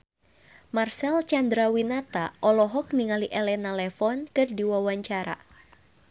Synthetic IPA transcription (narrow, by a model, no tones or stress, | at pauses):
marsɛlt͡ʃand̪ɾawinat̪aʔɔlɔɦɔk̚niŋaliʔɛlɛnalɛfɔnkɨrdiwawaɲt͡ʃaɾa̰